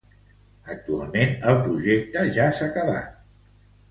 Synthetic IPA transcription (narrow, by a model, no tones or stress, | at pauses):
ək̚t̪ua̰lˠmenəlˠpɾuʒek̚t̪əʒasakəβa̰t̪